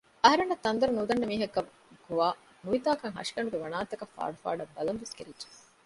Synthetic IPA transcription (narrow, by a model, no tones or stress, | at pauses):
ɐɦɐɾenːɐt̪ːɐnd̪ɐɾunud̪ɐnːɐmiːɦɐkːɐ | kuʋaː | nuʋit̪aːkɐŋɦɐ̰ʂi̥kɐɳuɡeʋɐnaːt̪ːɐkɐfːa̰ːɽufa̰ːɖɐbːɐlɐmʋeskḛɾidd͡ʒe̥